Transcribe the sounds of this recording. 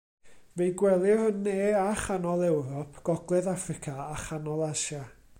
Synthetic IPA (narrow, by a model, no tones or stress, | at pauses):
vejɡwɛlˠɪrənːeːaχanɔlˠɛwɾɔpʰɡ̥ɔɡlˠɛðafrɪkʰaaχanɔlˠaʃa